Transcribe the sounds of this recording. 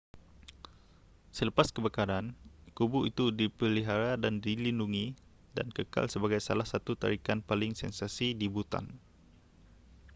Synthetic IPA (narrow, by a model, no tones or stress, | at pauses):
sələpaskəbakaɾankubuʔit̪udipəliɦaɾadandilinduŋi | da̰nkəka̰lsəbaɡajsalahsat̪ut̪a̰ɾikanpalɪŋsɛnsasidibut̪a̰n